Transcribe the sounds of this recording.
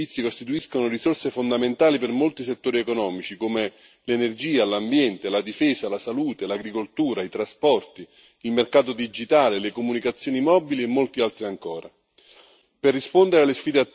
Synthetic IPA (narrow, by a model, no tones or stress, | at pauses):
it̪sːikost̪it̪uiskonorisorsefond̪ament̪aːlipermolt̪iset̪ːoːɾiekonɔːmit͡ʃikome | lenerd͡ʒiːalambjɛnt̪elad̪ifeːsalasaluːt̪elaɡɾikolt̪uːɾait̪ɾaspɔrt̪i | ilmerkaːt̪od̪id͡ʒit̪aːlelekomunikat̪sjoːnimɔːbiliemːolt̪ialt̪ɾiaŋkoːɾa | perːispond̪eɾealːesfiːd̪ea